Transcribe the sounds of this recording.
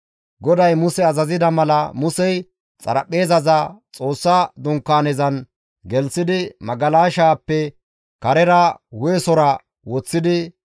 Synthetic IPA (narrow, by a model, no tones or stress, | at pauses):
ɡɔd̪ɐjmʊsɛɐzɐzɪd̪ɐmɐlɐmʊsɛj | t͡sʼɐ̰ɾɐ̰pːe̞ːzɐzɐt͡sʼo̞ːsːɐd̪ʊŋkːaːnɛzɐn | ɡɛlsɪd̪ɪmɐɡɐlaːʃaːpːɛ | kɐɾɛɾɐwʊɛsɔɾɐ | wɔt͡sːɪd̪ɪ